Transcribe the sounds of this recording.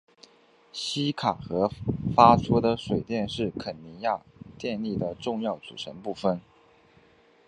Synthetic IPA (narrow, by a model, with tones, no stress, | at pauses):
ɕi˥kʰa˨˩xɤ˧˥fa˥t͡sʰu˥d̪ə˨ʂwe˨˩ɪt̪jɛ˥˧nʂɻ̩˥˩kʰə˨˩nni˧˥nja˥˧t̪jɛ˥˧nli˥˩d̪ə˩ʈ͡ʂʊ˥˧ŋjɑ˥˩ʊt͡sṵ˨˩ʈ͡ʂʰə˧˥npu˥˩fə˩n